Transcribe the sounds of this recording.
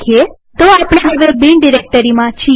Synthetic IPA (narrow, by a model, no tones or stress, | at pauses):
kʰie | t̪oapɽ̃eɦəʋebiɳɖiɾek̚ʈəɾimãt͡ʃʰi